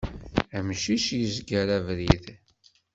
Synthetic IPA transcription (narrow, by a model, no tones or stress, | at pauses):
æmʃiʃjəzɡəɾævɾið